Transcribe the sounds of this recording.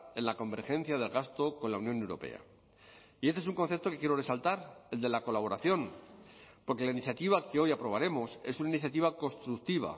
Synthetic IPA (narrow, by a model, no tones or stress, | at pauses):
e̞nlako̞mbe̞ɾxẽ̞nθjaðe̞lɣast̪o̞ko̞nlaunjõ̞ne̞wɾo̞̰pe̞̰a̰ | iest̪esuŋko̞nθe̞p̚t̪oke̞kje̞ɾore̞salt̪aɾe̞ld̪e̞lako̞laβ̞o̞ɾaθjo̞n | po̞ɾke̞lainiθjat̪iβakeo̞japɾo̞β̞aɾe̞mo̞se̞sunainiθjat̪̬iβako̞st̪ɾuk̚t̪iβ̞a̰